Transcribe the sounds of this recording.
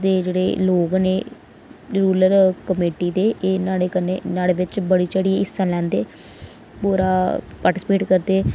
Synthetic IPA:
d̪eːd͡ʒeːɽḛːloːɡneː | ɾuːləɾkəmeːʈiːd̪eːeːnaːeːkənenaːleːʋɪt͡ʃbəɽiːt͡ʃəɽiːeɪsːãːlɛ̃ːnd̪eː | puːɾaː | paːɾʈɪsɪpeːʈkəɾd̪eː

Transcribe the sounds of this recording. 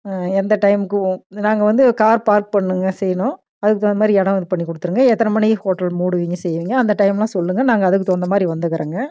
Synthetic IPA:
ɛnd̪ɐʈɐɪmɯkːɯ̃naːŋɡɐʋɐnd̪ɯkaːɾpaːɾk̚pɐɳːɯŋɡɐsɛjɳʊ̃ | ɐðɯkːɯt̪oːnd̪ɐmaːd̪ɾiɛɽɐ̃ʋɐnd̪ɯpɐɳːikːɔɽɯt̪ːɯɾɯŋɡɐɛt̪ːɐnɐmɐnihoːʈːɐlmuːɽɯʋiŋɡɯsɛjːʋiːŋɡɐɐnd̪ɐʈɐɪmlãːsɔlːɯŋɡɐnaːŋɡɐɐðɯkːɯt̪oːnd̪ɐmaːd̪ɾiʋɐnd̪ɯkːɐɾeːŋɡɐ

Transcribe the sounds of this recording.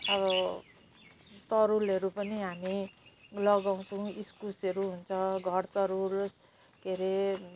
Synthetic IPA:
ʌβʌ | t̪ʌɾulʌɾupʌniɦamilʌɡaw̃t͡sʰʌw̃iskuseɾuɦunt͡sʰʌɡʱʌrt̪ʌɾuls | keɾe

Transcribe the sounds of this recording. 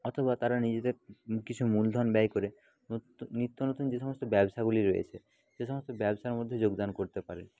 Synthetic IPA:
ɔt̪ʰoβat̪aɾanid͡ʑed̪eɾkit͡ɕʰumuld̪ʱɔnbɛjkoɾeː | it̪ːonot̪und͡ʑeʃɔmost̪obɛbʃaɡuliɾojḛt͡ɕʰe | ʃeʃɔmost̪obɛboʃaɾmod̪ʱːed͡ʑoɡd̪ankoɾt̪epaɾe

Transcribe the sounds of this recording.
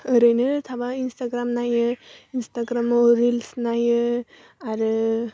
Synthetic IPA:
əɾənət̪ʰabainst̪aɡɾamnajəinst̪aɡɾamoɾilsnajə | aɾ

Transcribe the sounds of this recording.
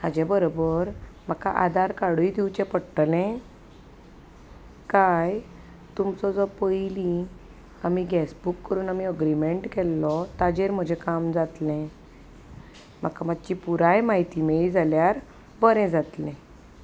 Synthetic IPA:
had͡ʑɛbəɾobəɾm̤aka̰ʔa̰d̪aɾkaɽuid̪iwt͡ɕɛ̃pəɽʈlɛ̃ | kaj | t̪umt͡sɔd͡zɔpəjlĩ | amiɡɛsbukːəɾuːnamiəɡɾimeɳʈkɛlːɔt̪ad͡ʑeɾm̤əd͡ʑʱɛkamd͡zat̪lɛ̃ | m̤akamat͡ɕipuɾajmaɦit̪imeɭid͡zʱaljaɾ | bəɾɛ̃d͡zat̪lɛ̃

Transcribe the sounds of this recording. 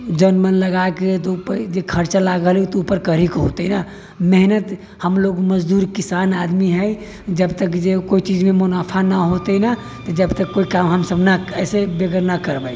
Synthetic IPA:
d͡ʒənmənləɡaket̪pəd͡ʒekʰəɾt͡ʃalaɡəlut̪ɔupəɾkəɾikɦo̰t̪əna | meɦnət̪ | həmloɡməd͡ʒd̪uɾkisanad̪miɦɛj | d͡ʒəbt̪əkd͡ʒekoit͡ʃid͡ʒmemʊnapʰanaɦot̪əna | t̪ɔd͡ʒəbt̪əkːoikamɦəmsəbʱnaɛsebeɡəɾnakəɾbəj

